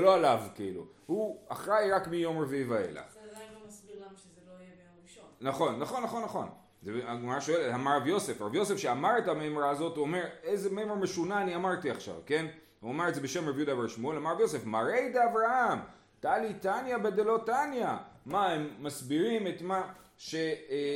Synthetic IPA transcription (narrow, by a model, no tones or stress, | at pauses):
eloalavkiḭlṵ | huaχʁajʁakmijo̞mʁavivaḛla̰χsbizeloje | naχo̞nːaχo̞nːaχo̞nːaχo̞̰n | zeaɡmaʁaʃo̞eletamaʁavjo̞se̞fʁabjo̞se̞fʃeamaʁe̞tamemɾaːzo̞tuomeʁezemejmeʁme̞ʃunaːniamaʁtiaχʃa̰vke̞n | uameʁetzebe̞ʃe̞mʁavjud̪avaʁʃmoelamaʁavjose̞fmaʁejd̪eavʁaham | t̪aalitanjabed̪elo̞tanjamaemːasbiʁime̞t̪maʃe̞